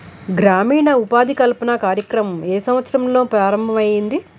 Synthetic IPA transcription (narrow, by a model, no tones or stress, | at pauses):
ɡɾaːmiːɳɐupaːd̪ikɐlpɐnɐkaːɾjɐkɾɐmɐmeːsɐmʋɐt̪sɐɾɐmlo̞ːpɾaːɾɐmbʱɐmɐjind̪i